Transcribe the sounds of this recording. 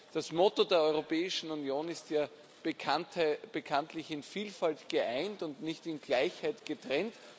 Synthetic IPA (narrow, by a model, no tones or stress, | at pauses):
d̥asmɔtodeːɐɔʏʁopɛːɪʃn̩unjoːnɪstjaː | b̥əkʰantəb̥əkʰãntlɪçɪnfiːlfaltɡ̥əʔaɪntʊntnɪçtɪnɡlaɪçhaɪtɡ̥ətʁ̥ɛnt